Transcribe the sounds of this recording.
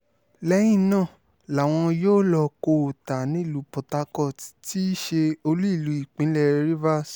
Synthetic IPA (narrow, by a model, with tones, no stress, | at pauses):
lɛ˧˦j̃ĩ˦˨nãː˦˨ | la˨w̃ɔ̃˧joː˦lɔ˧ko˧˨ta˨nĩ˨˦i˦˨lu˨˦pɔ˨ta˧˦kɔ˦˨ti˦ʃe˧o˧lu˦i˦˨lu˨˦i˦˨k͡pĩ˨˦lɛ˦˨ɾi˦va˦s